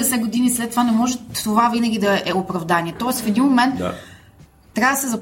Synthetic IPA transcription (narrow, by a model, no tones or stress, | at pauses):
ɛsɛɡod̪inislɛt̪ːovanɛmɔʒɛt̪ːovavinɐɡʲid̪ɐɛopɾɐvd̪aniɛt̪ɔɛsfɛd̪inmmomɛnt̪ | ɾjavəd̪ɐsɛzɐ